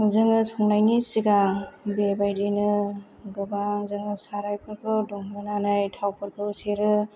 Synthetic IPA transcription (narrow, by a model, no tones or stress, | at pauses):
zɯŋɯsʰɔŋnajnisiɡabebajdinɯ | ɡɯbaŋzɯŋɯsaɾajpʰɯɾkʰɯwdɔŋbɯnanajtʰawpʰɯɾkʰɯseɾɯ